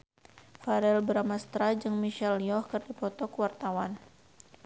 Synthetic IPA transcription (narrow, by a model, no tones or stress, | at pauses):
faɾɛlbəɾamast̪ɾad͡ʒɨŋmiʃɛlijɔhkɨrdipɔt̪ɔkwart̪awan